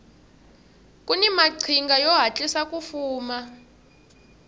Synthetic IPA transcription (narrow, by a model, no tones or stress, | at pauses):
kʼunimaǀʰiŋɡajɔɦat͡ɬʼisakʼufuːma